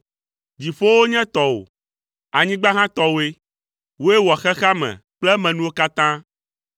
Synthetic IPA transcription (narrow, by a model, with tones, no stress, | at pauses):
d͡ʑi˨ɸo˦wo˦ɲɛ̃˦t̪ɔ˨o̰˨ | a˨ɲĩ˦ɡ͡ba˦ɦã˦t̪ɔ˦wo˦e˦ | wo˦e˦wɔ˨xɛ˦xa˦mɛ̰̃˨k͡plɛ˦mɛ̃˨nũ˦wo˦ka˦t̪ã˦